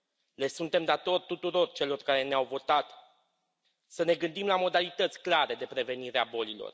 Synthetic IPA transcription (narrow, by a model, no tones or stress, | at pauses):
le̞sunt̪e̞md̪at̪o̞rʲt̪ut̪uɾo̞rt͡ʃe̞lo̞rkaɾe̞neawvo̞t̪at̪ | səne̞ɡɨnd̪imlamo̞d̪alit̪ət̪sʲklaɾe̞d̪e̞pɾe̞ve̞niɾeabo̞lilo̞̰r